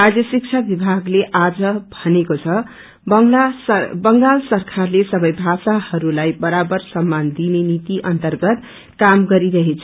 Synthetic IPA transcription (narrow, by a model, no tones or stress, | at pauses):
ad͡zjʌsik̚t͡sʰabibʱaɡleʔad͡zʌbʱʌnekot͡sʰʌ | bʌ | bʌŋɡalsʌrkʰarlesʌbʌjbʱasahʌɾulajbʌɾabʌrsʌmːand̪inenit̪iʔʌnt̪ʌrɡʌt̪ | kamɡʌɾiɾʌɦet͡sʰʌ